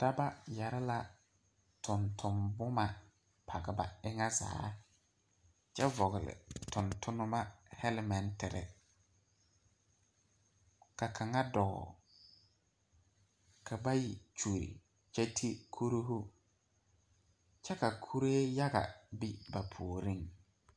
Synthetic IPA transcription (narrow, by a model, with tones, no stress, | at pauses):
d̥a˦ba˦ja˨ɾɪ˦la˨ | tʊ˨ntʰʊ˨mbʊ˦ma˨ | pʰa˨ɡɪ˨ba̰˨ɪ˦ŋa˦za̰ː˨˦ | t͡ʃɛ˦vɔ˨ɣɪ˨lɪ̰˨tʊ˨ntʊ˦nʊ˦ma˦hɛ˦lɪ˦mɛ˨ntɪ˨ɾɪ̰˨ | ka˨kʰa˨ŋa˦dɔ˨ɣɔ̰˨ | kʰa˨ba˦ji˨t͡ʃu˨ɾḭ˨ | t͡ʃɛ˦tʰi˦kʰu˦ɾo˦ɦʊ˦ | t͡ʃɛ˦ka˨kʰu˦ɾeː˦ja˦ɣa̰˨bi˦ba˨pʰu˨ɾi˦ŋ